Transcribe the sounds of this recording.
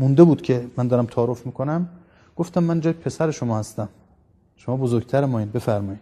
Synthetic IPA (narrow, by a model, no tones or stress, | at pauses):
mund̪ebuːd̪kcʰe̞mænd̪ɒːɾæmt̪ʰɒːɾofmiːkʰonæm | ɡ̥o̞ft̪æmːænd͡ʒɒːjepʰe̞sæɾeʃomɒːhæst̪æm | ʃomɒːbozoɾɡ̚t̪ʰæɾmɒːiːd̪be̞fæɾmɒːjiːd̪̥